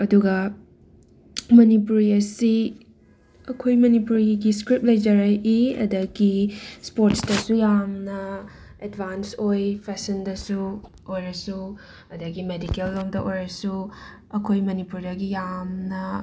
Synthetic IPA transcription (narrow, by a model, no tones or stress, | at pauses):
ɐduɡɐ | mɐnipuɾiɐsi | ɐkʰojmɐnipuɾiɡiskɾip̚lɐjd͡ʒɐɾɐʔiɐ̰dɐɡispoɾtsdɐsujamnɐedbansojpʰesɐndɐsu | ojɾɐsu | ɐdɐɡimedikelːomdɐʔojɾɐsu | ɐkʰojmɐnipuɾdɐɡijamnɐ